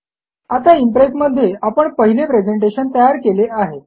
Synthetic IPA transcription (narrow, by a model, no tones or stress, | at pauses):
at̪aimpɾesməd̪ʱːjeapəɳpəɦilepɾed͡zeɳʈ̬eɕənt̪əjaɾkeleʔaɦe